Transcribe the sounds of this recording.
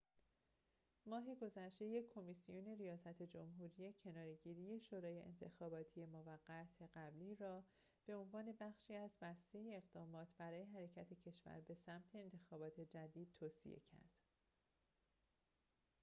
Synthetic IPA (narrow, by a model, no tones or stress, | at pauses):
mɒːɦeɡo̞zæʃt̪e̞je̞ːo̞misijone̞rijɒːsæt̪ʰe̞d͡ʒo̞mɦuːɾije̞cʰe̞nɒːɾe̞ɟiːɾiːje̞ʃoːɾɒːje̞ʔḛnt̪ʰe̞xɒːbɒːt̪ʰije̞moːvæɢːæt̪ʰe̞ɢæbliːɾɒː | b̥e̞o̞nvɒːne̞bæxʃiːæzbæst̪e̞jeːɣd̪ɒːmɒːt̪ʰbæɾɒːje̞ɦæɾe̞cʰæt̪ʰe̞cʰe̞ʃvæ̰ɾbe̞sæmt̪ʰe̞ːnt̪ʰe̞xɒːbɒːt̪ʰe̞d͡ʒæd̪iːd̪̥̚t̪ʰoːsḭʔe̞̰cʰæ̰ɾd̪̥